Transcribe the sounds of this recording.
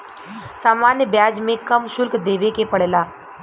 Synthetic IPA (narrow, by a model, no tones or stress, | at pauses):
saːmaːnjəbjaːd͡ʒmẽkɐmʃʊlkd̪eːʋekepɐɽlaː